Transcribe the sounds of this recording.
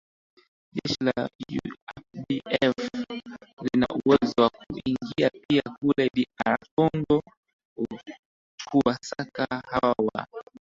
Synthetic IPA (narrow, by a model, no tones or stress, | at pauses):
ʄɛʃilajṵɛfɗiɛf | lina̰ʔuwɛzɔwakuiŋɡiapiakulɛɗiaɾakɔŋɡɔ | u | t͡ʃuasakahawa̰